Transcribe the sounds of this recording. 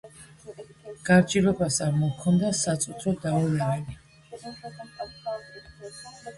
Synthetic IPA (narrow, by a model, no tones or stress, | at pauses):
ɡ̥aɾd͡ʒilɔbasaɾmɔkʰɔnd̪asat̪sʼut̪ʰɾɔd̪aɔlɛali